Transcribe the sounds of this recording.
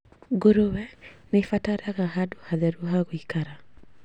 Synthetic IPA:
ɡoɾowɛnefataɾaɣaɦado̥haðɛɾuɦaɣoikaɾa

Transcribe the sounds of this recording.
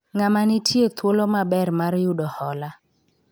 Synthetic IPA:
ŋamanɪtʰjet̪ʰwolomabɛrmarjʊdɔhɔla

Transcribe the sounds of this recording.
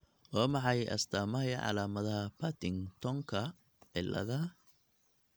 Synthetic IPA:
wɔːmɑʕɑjʔɐ̰st̪ʰaːmɐɦɛjʕɑ̰laːmɐðɐhɐpʰɐt̪ʰɪŋt̪ʰɔŋkʰɐ | ɪ̰lʔɐ̰ðɐ

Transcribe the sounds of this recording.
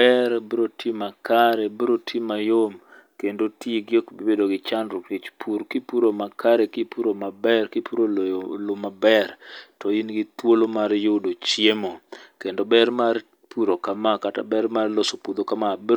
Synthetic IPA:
ɛɾbiɾotʰimakaɾɛbiɾotʰimajom | kendotʰiɡɪokbbedoɡɪt͡ʃanɾʊɾit͡ʃpʰuɾkipuɾomakʰaɾɛkipuɾomabɛrkipuɾoljlʊmabɛrtɔinɡɪt̪wolomaɾjodot͡ʃjemokendobɛɾmar | puɾokamakata̰bɛɾmarlosopud̪okamab

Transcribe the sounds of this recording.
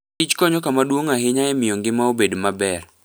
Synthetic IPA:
it͡ʃkɔɲɔkamadwoŋaɦɪɲaɛmɪjoŋɡɪmaobedmabɛr

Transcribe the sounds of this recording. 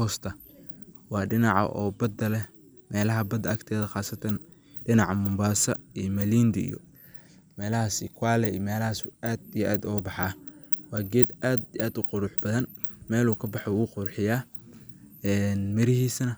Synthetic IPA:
ɔːst̪ʰɐ | wɑːɖɪnɑʕɑ̰ʔɔ̰ːbɐd̪ɐlɛ | mɛːlɐɦɐbɐd̪ɐɐkt̪ʰɛːðɐxɑːsɐt̪ʰɐn | ɖɪnɑʕɑmʊmbaːsɐijɔmɐliːnd̪ɪḭjɔ̰ | mɛːlɐhasikʰwaːlɛijmɛːlɐhaːsaːd̪ijʔaːd̪ɔːbɑħɑwɑːɡɛːd̪ʔaːd̪ijʔaːd̪ʊqʊɾʊħbɐðɐn | mɛːluːkʰɐbɑħɔwɣʊqʊrħɪjaː | ɛːnmɪɾɪɦiːsɐnɐ

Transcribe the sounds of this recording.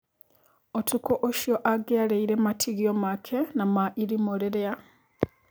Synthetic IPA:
otukoʔoʃjoʔaɡealeiɾematʰiɣiomakʰenamaʔiɾimoleɾea

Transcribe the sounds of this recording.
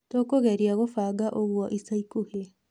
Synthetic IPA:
tokoɣɛɾiaɣofaɡaʔoɣwɔʔisaikuhe

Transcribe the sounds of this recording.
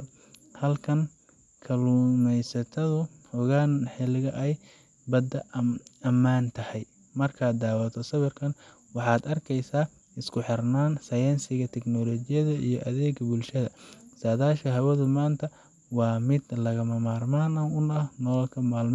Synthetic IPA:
hɐlkʰɐŋ | kʰɐlumɛjsɐt̪ʰɐðʊ | hɔɣaːnħɪlɪɣɐʔɛj | bɐd̪ɐɐmaːnt̪ʰɐhɛj | mɐrkʰaːd̪d̪aːwɐt̪ʰɔsɐβɪrkʰɐn | wɑħɑːd̪ɐrkʰɛjsaː | ɪskʰʊħɪrnaːnsɐjɛnsɪɣɐt̪ʰɛɡnɔːlɔːt͡ʃɪjɐðɐḭjɔʔɐðɛːɡbʊlʃɐðɐ̰saːðaːʃkʰɐɦɐwɐðʊmaːnt̪ʰɐ | wɑːmɪd̪lɐɣɐmɐmaːrmaːnɐʊnɐhnɔlɔlkʰɐmaːlm

